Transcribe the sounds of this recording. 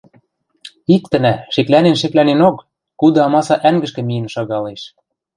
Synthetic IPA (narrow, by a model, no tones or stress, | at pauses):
ik̚t̪ɘ̆næʃĕklænenʃɘ̆klænenokː | ud̪ɤ̆ɑmɑsɑʔæŋɡɘ̆ʃkɘ̆mijɘ̆nʃɑɣɑleʃ